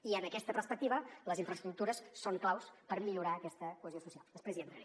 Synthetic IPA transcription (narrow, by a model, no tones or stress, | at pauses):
iəməkɛst̪əpəɾspək̚t̪iβələziɱfɾəst̪ɾuk̚t̪uɾəsːoŋklawspəɾmiʎuɾaəkɛst̪əkuəzjosusialˠd̪əspɾezjɛnt̪ɾə